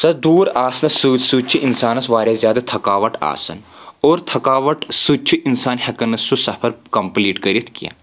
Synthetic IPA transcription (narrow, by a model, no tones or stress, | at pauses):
sɐd̪uːɾaːsɐnɐsusut͡ʃʰiʔinsaːnɐsʋaːɾʲjazjaːd̪ɐt̪ʰɐkaːʋɐʈa̰ːsɐ̰n | oːɾt̪ʰɐkaːʋɐʈsut͡ʃʰiʔinsaːnhɐkɐnɐsusɐpʰɐɾkɐmpliːʈkɐɾit̪ʰkija̰ː